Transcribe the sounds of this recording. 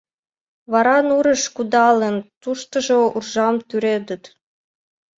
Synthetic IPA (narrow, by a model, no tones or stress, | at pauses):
βɑɾɑnuɾə̆ʃkud̪ɑlənt̪uʃt̪ə̆ʒourʒɑmt̪yɾed̪ə̆t̪